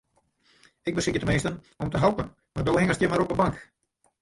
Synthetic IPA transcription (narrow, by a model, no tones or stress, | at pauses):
ɪk̚bəsɪkjətəmenstən | ɔmtəɦalpən | mardowɦɪŋəstjəmaɾɔpəbaŋk